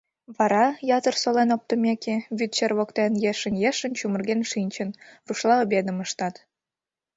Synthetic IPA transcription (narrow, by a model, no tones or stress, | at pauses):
βɑɾɑjɑt̪ərsolenop̚t̪əmekeβyt̪̚t͡ɕerβokt̪enjeʃə̆njeʃə̆nt͡ɕumərɣenʃinʲt͡ɕə̆nruʃlˠɑobed̪ə̆məʃt̪ɑt̪